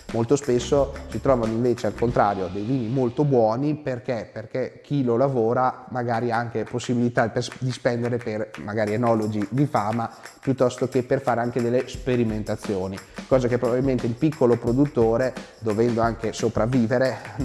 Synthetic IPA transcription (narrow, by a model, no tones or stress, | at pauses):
molt̪ospesːosit̪ɾɔːvanoiɱveːt͡ʃealkont̪ɾa̰ːɾjoad̪ːejviːnimolt̪obwɔːniperkeperkek̟ʰːilolavoːɾamaɡaːɾiaŋkeposːibilit̪apesd̪ispɛnd̪eɾepermaɡaːɾienɔːlod͡ʒid̪ifaːmapjut̪ːɔst̪okeperfaːɾeaŋked̪elːespeɾiment̪at̪sːjoːnikɔːzakepːɾobabilment̪eilpikːolopɾod̪ut̪ːoːɾed̪ovɛnd̪oaŋkesopɾavːiːveɾe